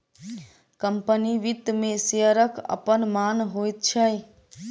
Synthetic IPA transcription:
kəmpəniʋit̪meseəɾəkə̰pənmanɦojt̪̚t͡ʃʰəj

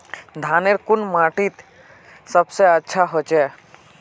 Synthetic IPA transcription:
d̪ʱaːneɾkʊnmaːʈit̪ | səbseətːʃʰaɦot͡ʃɛ

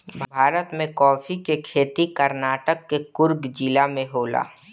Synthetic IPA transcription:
bʱbʱaːɾət̪mẽkɔːfikekʰeːt̪ikəɾnaːʈəkːekʊɾɡd͡ʒilamẽɦoːla̰ː

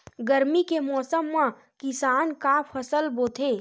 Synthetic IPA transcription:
ɡəɾmikemɔːsəmːã | kɪsaːnkapʰɐsəlboːt̪ʰeː

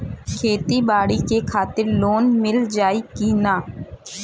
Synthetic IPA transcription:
kʰeːt̪iːbaːɽiːkekʰaːt̪ɪɾloːnmɪld͡ʒaːiːkiːnaː

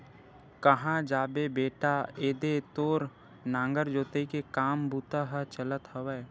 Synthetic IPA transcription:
kəɦãd͡ʒaːbebeːʈaeːd̪et̪oːɾ | nãːŋɡəɾd͡ʒoːt̪eikekaːmbuːt̪aɦət͡ʃələt̪ɦəʋɛː

